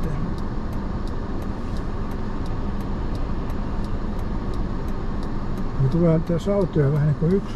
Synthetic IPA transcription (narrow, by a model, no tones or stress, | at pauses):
en | met̪ulehɑnit̪æsɑut̪ojɑʋæhæniːŋkoyks